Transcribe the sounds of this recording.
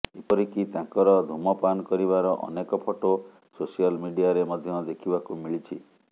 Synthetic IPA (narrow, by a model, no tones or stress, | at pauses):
epɔɾikit̪ãkɔɾɔd̪ʱumɔpanɔkɔɾiβaɾɔʔɔ̰nekɔpʰɔʈo | sosialmiɖiaɾemɔd̪ʱjɔd̪ekʰibakumiɭit͡ʃʰi